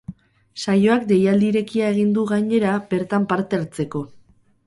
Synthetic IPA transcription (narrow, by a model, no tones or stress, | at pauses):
sajo̞akd̪e̞jald̪iɾe̞kiae̞ɣ̞ind̪uɣaɲe̞ɾabe̞ɾt̪ampaɾt̪eaɾt͡se̞ko̞